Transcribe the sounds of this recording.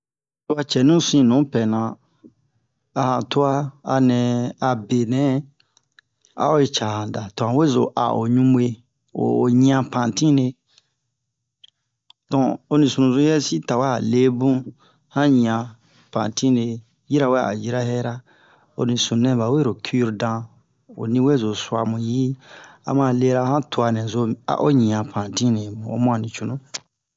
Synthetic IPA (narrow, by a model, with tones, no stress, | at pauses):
tu˦a˧t͡ʃɛ˨nũ˦sĩ˦nũ˨˦pɛ˨nã˨ | a˧hã˨tu˦a˦a˧nɛ̃˨a˨be˨nɛ̃˨˦ | a̰˦o˦e˧t͡ʃa˨hã˨da˨tɔ̃˨hã˨we˦zo̰˨ʔa̰˨o̰˨ɲũ˦mu˦e˧ | o̰˨o˨ɲĩ˦ã˧pã˨tĩ˦ne˧ | dɔ̃˨o˦nĩ˨sũ˨nũ˨zo˦jɛ˦si˦ta˨we˦a̰˨le˦bũ˦ | hã˦ɲĩ˨ã˨ | pã̰˨tĩ˦ne˨ | ji˦ɾa˨˦we˦˨a̰˨ji˦ɾa˦hɛ˦ɾa˦ | o̰˦nĩ˨sũ˨nɛ̃˨ba˨we˦ɾo˨kʰi˦u˦ɾdã˧ | o̰˨nĩ˦we˦˨zo˨su˨a˨mũ˨ji˦a̰˨mã˨le˦ɾa˧hã˦tu˨a˨nɛ̃˨zo˧a̰˨ʔo˦ɲĩ˨ã˨pʰã˨tĩ˦ne˨ũ˨o̰˦mũ˦ã˨nĩ˨t͡ʃu˦nũ˦